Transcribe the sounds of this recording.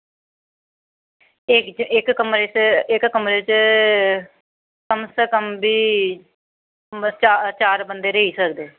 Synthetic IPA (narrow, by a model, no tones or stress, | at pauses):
ɪkɪkkəmɾeːt͡ʃɪkːəmɾeːt͡ʃ | kəmsekəmbiː | t͡ʃat͡ʃaːɾbənd̪eːɾəɦiːsək̚d̪eː